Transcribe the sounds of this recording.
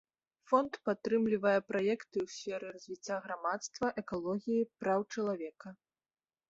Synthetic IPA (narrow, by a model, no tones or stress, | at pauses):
fɔnt̪pat̪ːɾɨmlʲivɐjɛpɾajɛkt̪ɨwsʲfʲɛɾɨrɐzʲvʲit͡sʲːaɣɾamat̪st̪vɐʔɛkalˠɔɣʲijipɾawt͡ʂɐlˠavʲɛkɐ